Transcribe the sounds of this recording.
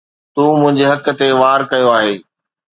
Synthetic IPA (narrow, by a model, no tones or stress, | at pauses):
t̪uːmʊ̃ɦɪ̃ɲd͡ʑeɦɐkə̆t̪eʋaːɾkɐjoaːɦeː